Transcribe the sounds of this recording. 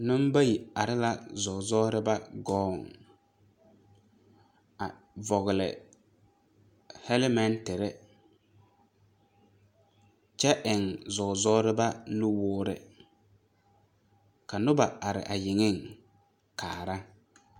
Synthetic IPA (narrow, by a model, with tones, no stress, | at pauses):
nʊ˦mba˦ji˨a˨ɾɪ˦la˦zɔ˨zɔː˦ɾɪ˦ba˦ɡɔː˦˨ŋ | a˨ | vɔ˨ɣɪ˨lɪ̰˨ | hɛ˦lɪ˦mɛ˦ntɪ˨ɾɪ˦ | t͡ʃɛ˦ʔɪ˨ŋzɔ˨zɔː˦ɾɪ˦ba˦lʊ˦wʊː˦ɾɪ̰˨ | ka˨nʊ˦ba˨a˨ɾɪ̰˨ʔa˨jɪ˨ŋɪ˦˨ŋ | kʰaː˨ɾa˦